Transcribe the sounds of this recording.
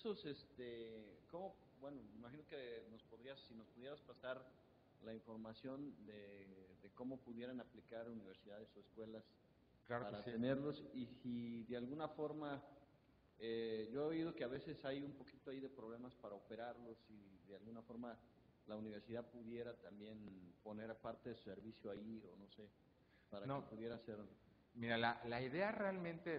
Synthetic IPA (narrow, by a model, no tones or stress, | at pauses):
esosest̪eko̞mo̞ | bweno̞meimaxino̞keno̞spo̞ðɾiasːino̞spuð̞je̞ɾaspasaɾ | laiɱfo̞ɾmasjo̞nd̪eðe̞ko̞mo̞puðje̞ɾanaplikaɾuniβ̞e̞ɾsiðaðe̞soeskwe̞las | klapaɾaene̞ɾlo̞sisiðealɣunafo̞ɾma | eʝo̞eoiðo̞ke̞aβe̞se̞sajumpo̞kit̪oaiðe̞pɾo̞β̞le̞maspaɾaope̞ɾaɾlo̞siðealɣunafo̞ɾma | launiβ̞eɾsiðaðpuðje̞ɾat̪ambje̞npo̞ne̞ɾpaɾt̪e̞ðesu̥se̞ɾβisjoaiono̞se̞ | paɾanoepuðje̞ɾaseɾo | miɾalalaiðe̞arealmẽnt̪e